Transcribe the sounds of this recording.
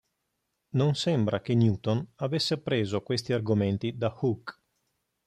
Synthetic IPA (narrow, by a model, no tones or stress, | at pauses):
nonsɛmbɾakenjuːt̪onavesːeapɾeːzokwest̪iarɡoment̪id̪ahuk